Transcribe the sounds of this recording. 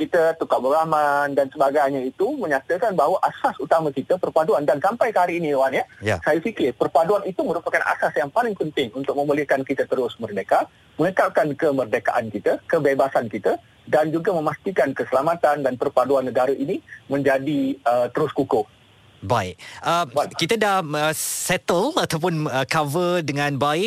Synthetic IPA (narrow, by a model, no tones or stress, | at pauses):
kit̪ət̪ukaʔ̚bəɾamandansəbaɡajɲait̪umə̃ɲat̪əkanbaɦwaʔasasut̪amãkit̪əpərpaduandansampajkəɦaɾiːniwanjajsajafikɪrpərpaduanit̪umə̃ɾupakanʔa̰sasjaŋpalɪŋpənt̪ɪŋunt̪ʊk̚mə̃mbəlɪhkankit̪ət̪əɾʊsmərdeka | məŋəkap̚kankəmərdeka̰ʔankit̪əkəbebasankit̪a | dand͡ʒuɡamə̃mast̪ikankəsəlamat̪andanpərpaduanːəɡaɾəʔinimə̃ɲd͡ʒadiət̪əɾʊskukʊh | baɪʔ̚əmkit̪adahəsɛt̪əlat̪awp̬ʊnəkavədəŋãnbaɪʔ